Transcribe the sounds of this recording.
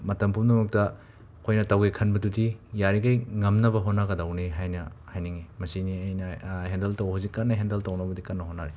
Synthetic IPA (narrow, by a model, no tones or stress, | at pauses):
mɐtɐmpʰumdɐmɐk̚tɐ | kʰojnɐtɐwekʰɐnbɐdudijaɾiɡajŋɐmnɐbɐɦonaɡɐdɐwneɦajnɐhajniŋimɐsiniɐjnɐhendeltawhawzikːanːɐɦendɐltawnɐbɐdikanːɐɦonːaɾi